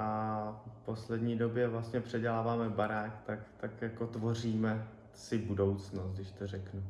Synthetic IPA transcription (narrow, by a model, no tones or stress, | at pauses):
ʔafpo̞slɛdɲiːdo̞bjɛvlast̪ɲɛpr̝̥ɛɟɛlaːvaːmɛbaɾaːkt̪akt̪akjako̞t̪vo̞riːmɛ | sɪbudo̞wt͡snost̪dɪʃt̪or̝ɛknu